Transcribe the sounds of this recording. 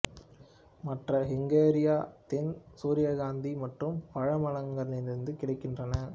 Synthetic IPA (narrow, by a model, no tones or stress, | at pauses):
mɐʈrɐɦɪŋɡeːɾɪjaːt̪ɛnsuːɾɪjaɣaːnd̪imɐʈrɯmpɐɻɐmɐlɐŋɡɐɾɪnɪnɪɾɯnd̪ɯkɪɽɐɪkːɪndrɐnɐ